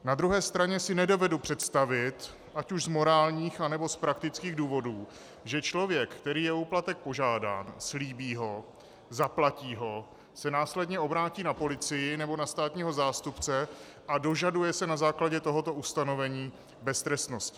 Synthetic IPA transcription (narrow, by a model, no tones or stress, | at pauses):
nad̪ɾuɦɛːst̪ɾaɲɛsɪnɛdo̞vɛdupr̝̥ɛt̪st̪avɪt̪ | ʔacuʃzmo̞ɾaːlɲiːxanɛbo̞spɾakt̪ɪt͡skiːɣduːvo̞duː | ʒɛt͡ʃlo̞vjɛkkt̪ɛɾiːjɛuːplat̪ɛk̚po̞ʒaːda̰ːnsliːbiːɦo̞ | zaplaciːɦo̞ | sɛnaːslɛdɲɛo̞bɾaːciːnapo̞lɪt͡sɪjɪnɛbo̞nast̪aːt̪ɲiːɦo̞zaːst̪upt͡sɛ | ʔado̞ʒadujɛsɛnazaːklaɟɛt̪o̞ɦo̞t̪o̞ust̪ano̞vɛɲiː | bɛst̪ɾɛst̪no̞scɪ̥